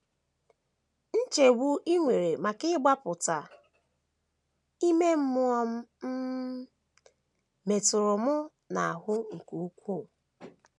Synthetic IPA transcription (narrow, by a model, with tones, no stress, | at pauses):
n̩˦t͡ʃe˨wu˦ʔi˦ŋʷe˨ɾe˨ma˨kɪ˦ɡ͡ba˦pʊ˨ta˨ | i˦me˦m̩˦mʊ˦ɔ˦m̩˦m̩˦ | me˨tʊ˨ɾʊ˨mʊ˦ | na˨a˨ɦʊ˦ŋ̩˨ku˨u˦kʷu˦˨